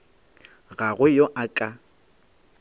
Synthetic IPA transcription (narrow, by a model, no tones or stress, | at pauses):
ɣaɣʊjoʔakʼa